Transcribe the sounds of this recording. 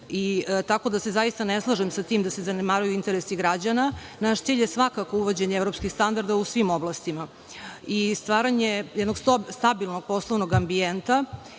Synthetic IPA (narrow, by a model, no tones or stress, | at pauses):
it̪ako̞d̪ase̞zajist̪aneslˠaʒemsat̪iːmd̪asezanemaɾujuint̪eɾesiɡɾad͡ʑana | naʃt̪siːʎjesʋakako̞uʋod͡ʑeɲeevɾopskixst̪and̪aɾd̪ausʋimoblˠast̪ima | ist̪ʋaːɾaɲejɛd̪no̞ɡsst̪abilˠnoɡ̚po̞slˠoʋnoɡambient̪a